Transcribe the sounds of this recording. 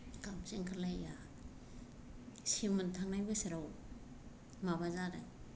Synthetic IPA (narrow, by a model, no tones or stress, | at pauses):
kamseŋkʰalaja | simɯntʰaŋnajbasiɾaw | mabazaɾa